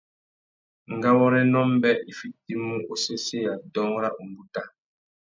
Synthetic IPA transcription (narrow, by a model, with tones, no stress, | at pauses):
ŋ˨ɡa˦wɔ˦ɾɛ˦nɔ˦mbɛ˦ʔi˨fi˦t̚i˦mũ˦o˦se˦se˦˨ja˨dɔ˦ŋ˦ɾa˦ʔu˨mbu˦ta˦